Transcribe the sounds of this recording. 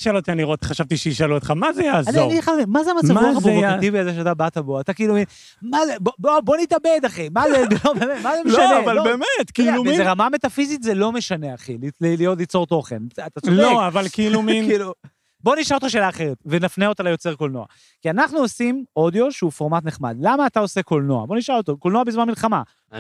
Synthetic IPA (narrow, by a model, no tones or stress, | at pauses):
iʃalot̪ianiʁoχaʃavt̪iʃeiʃaluot̪χamazejaːzanioaniχamimazeamat͡samuaχapovoat̪iviazeʃeat̪abat̪abo̞at̪akiːlumin | mazebobobo̞nit̪abed̪aχimazelobemetmazemeoanavalobemet̪kiilumizeʁamamet̪afizit̪zelo̞me̞ʃane̞aχilililijotlit͡so̞ʁt̪o̞χenat̪at͡soloavalkeiluminkilu | bo̞niʃalot̪χaʃeːlaːχe̞ʁetvenafneo̞t̪alajo̞t͡se̞ʁkolnoa̰ | kianaχnuosimo̞djo̞ʃeufo̞ʁmat̪neχma̰d̪lamaːt̪ao̞se̞ko̞lnoa̰bo̞niʃalot̪okolnoabizmanmilχama